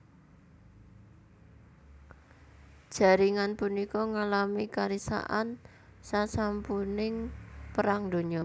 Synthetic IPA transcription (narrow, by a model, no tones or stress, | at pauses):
d̥ʒ̥a̤ɾiŋanpunikɔŋalamikaɾisa̰ʔan | sasampunɪŋpəɾaŋd̪o̤ɲɔ